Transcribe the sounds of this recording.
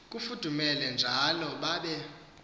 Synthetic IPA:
k̬ʼufud̥ʱumɛlɛnd͡ʒʱalɔɓaɓɛ

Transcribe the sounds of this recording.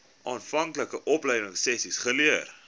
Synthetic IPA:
ʔɑːnfɐŋkləkəʔɔplɛjdəŋsːɛsisχəliər

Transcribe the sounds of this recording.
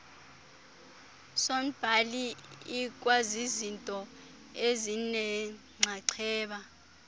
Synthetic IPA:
som̩b̥ʱaliik̬ʼwazizintʼɔ | ezinɛ | ŋ͡ǀʱaǀʰɛːɓa

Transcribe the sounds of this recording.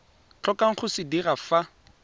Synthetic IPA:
t͡ɬʰɔkʼaŋ̩χʊsɪdirafa

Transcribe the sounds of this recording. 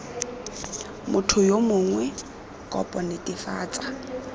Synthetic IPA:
mʔʊtʰʊjomʊŋwɛ | kʼɔ̰pʼɔnɪtʼɪfa̰ːt͡sʼa

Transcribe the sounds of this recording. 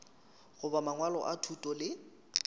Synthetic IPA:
ɣʊbamaŋwalɔ̰ʔatʰutʼɔlɪ

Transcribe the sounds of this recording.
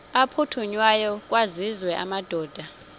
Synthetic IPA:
apʰutʰuɲwajɔk̬ʼwazizwɛʔa̰mad̥ʱɔːd̥ʱa

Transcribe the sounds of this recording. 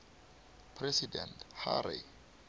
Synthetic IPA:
pʰrɛsidɛ̰ntha̰ɾḭ

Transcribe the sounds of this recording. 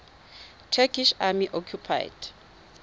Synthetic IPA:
tʰɛkʰiʃamiʔɔkʰjupʰa̰jd̥

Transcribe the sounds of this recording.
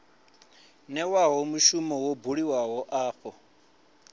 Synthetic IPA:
nɛwaɦɔmuʃumɔwobuɺiwaɦɔʔaːxʰɔ

